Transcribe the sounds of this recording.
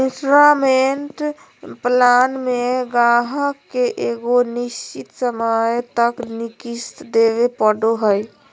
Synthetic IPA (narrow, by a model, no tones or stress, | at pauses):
ɪ̃nsɾameɳʈ | plaːnmẽɡãɦəkːeʔeːɡonɪʃt͡ʃit̪səməjt̪əknikist̪d̪eːʋepəɽoɦəj